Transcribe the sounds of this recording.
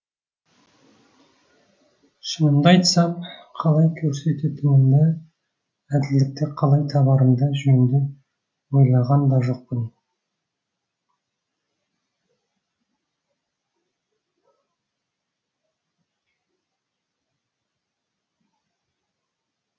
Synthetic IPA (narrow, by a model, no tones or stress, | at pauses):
ʃənənd̪ɑjt̪sɑmqʰɑlˠɑjkʲʰɵɾse̞t̪et̪ɪmɪnd̪ɪ | æd̪ɪld̪ɪk̚t̪eqʰɑlˠɑjt̪ʰɑβɑɾənd̪ɑʒɵnd̪ɪ | wo̞jlˠɑʁɑnd̪ɑʒo̞q̚pən